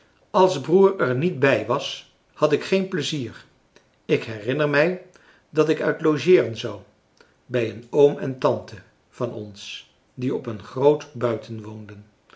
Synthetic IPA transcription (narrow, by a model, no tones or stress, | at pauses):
ɑlˠzbruːɹɛɹnit̚bɛjʋɑs | hɑtɪkχejnpləziːr | ɪkɦɛrɪnəɹmɛj | dɑtɪkœ̰ɥtlowʒɪːrənzɑw | bɛjənowmɛntɑntə | v̥ɑnɔ̰ns | diɔpənχrowtbœɥtʰənʋowndən